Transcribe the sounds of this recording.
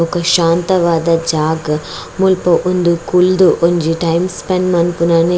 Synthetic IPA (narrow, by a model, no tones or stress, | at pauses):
ɔkɐʃaːnt̪ɐʋaːd̪ɐd͡ʒaːɡ | mulpɐʔund̪ukuld̪uʔoɲd͡ʒiʈɐjmspɐnmɐnpunaːne